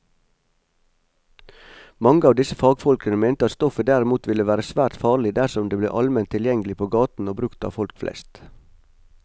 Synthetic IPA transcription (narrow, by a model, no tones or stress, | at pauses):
mɑŋəɑːʋd̪ɪsəfɑːɡfɔlkənəmæɪnt̪əɑt̪st̪ɔfəd̪æɾɪmuːt̪ʋɪləʋæːɾəsʋæːɾt̪fɑːɭɪd̪æsɔmd̪eːblḛːʔɑlmɛnt̪ʰɪljɛŋɡəlɪpʰoːɡɑːt̪n̩oːbɾʉkt̪ɑ̰ːfɔlkflɛ̰st̪